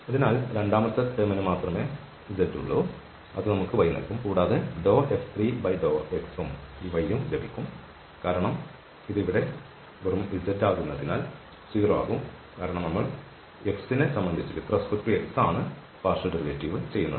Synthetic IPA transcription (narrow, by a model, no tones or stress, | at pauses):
ɐðinaːlɾe̞ɳɖaːmɐt̪ːɐt̪eːmɐnumaːt̪rɐme̞ː | id͡ʑɐtːṵɭːu | ɐðɨnɐmukːɨʋɐjɐnɐ̰lkumkuːɽaːðeɖo̞ːeft̪ʰriːbɐjɖoːeksumiːʋɐjːumlebikʲːum | kaːɾɐɳɐm | iðiʋiɽe̞ | ʋrɐmʋid͡ʑɐtːaːɣunːɐðinaːl | siːrɐʋa̰ːɣum | kaːɾɐɳɐmnɐmːɐɭ | eksinesɐmbɐnd̪ʱit͡ɕːuɾṵt̪rɐskuʈrieksaːɳɨ | paːrʂɐɖɐriʋeʈːiʋɨt͡ɕe̞jːunːṵ